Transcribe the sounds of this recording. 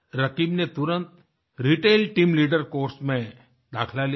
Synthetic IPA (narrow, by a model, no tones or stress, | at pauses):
ɾɐkiːbnet̪ʊɾə̃nt̪ | ɾiːʈeːlʈiːmliːɖəɾkoːɾsmẽ | d̪a̰ːkʰlali